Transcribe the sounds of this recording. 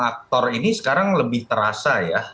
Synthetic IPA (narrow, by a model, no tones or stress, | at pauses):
ak̚t̪ɔrinisə̥kaɾaŋləbɪht̪əɾasaja